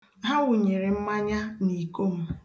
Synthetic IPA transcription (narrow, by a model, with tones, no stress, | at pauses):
ɦa˦wʊ˨ɲe˨ɾe˨m̩˦ma˦ɲa˦ni˨ko˦˨m̩˦